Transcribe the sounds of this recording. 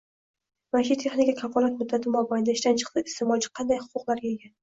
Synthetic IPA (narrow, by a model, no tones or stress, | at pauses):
maʃut̪ʰe̞χnikʲakʲʰafɒlˠat̪̚mʊd̪ːat̪ʰɪmɒbɒjɪd̪aɪʃt̪ant͡ʃʰɨ̥qt̪ɨɪst̪emɒt͡ʃʰɪ̥qʰɑnd̪ajhʊ̥qʊqlˠaɾɡʲaɡʲan